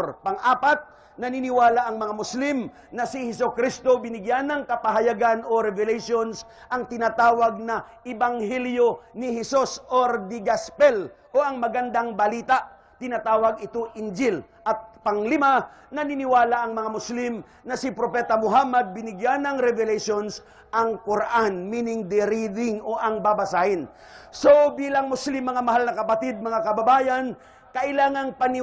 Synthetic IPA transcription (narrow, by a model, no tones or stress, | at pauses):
ɾpɐŋʔaːpat̪̚ | nɐnɪnɪwaːlaʔɐŋmɐŋamʊslim | nɐsɪhɛsokɾist̪o̞bɪnɪɡjanɐŋkɐpɐɦɐjaɡanoɾɛvɛlɛjʃons | ʔɐŋt̪ɪnaːt̪aːwɐɡ̚nɐʔɪbaŋhɛljonɪhɛsusʔoɾd̪ɪɡaspɛl | ʔoʔɐŋmɐɡɐnd̪aŋbɐliːt̪aʔ | t̪ɪnaːt̪aːwɐɡɪt̪oʔɪnd͡ʒɪl | ʔɐt̪̚pɐŋlɪma | nɐnɪnɪwaːlaʔɐŋmɐŋamʊslɪm | nɐsɪpɾopɛːt̪ɐmʊɦamɐd̪̚bɪnɪɡjanɐŋɾɛvɛlɛʃons | ʔɐŋkʊɾʔanmiːnɪŋd̪ɛɾid̪ɪŋoʔɐŋbabasaːhɪn | sobiːlɐŋmʊslɪmːɐŋamɐɦalnɐkɐpɐt̪id̪̚mɐŋakɐbɐbaːjan | kɐʔɪlaːŋɐŋpɐnɪ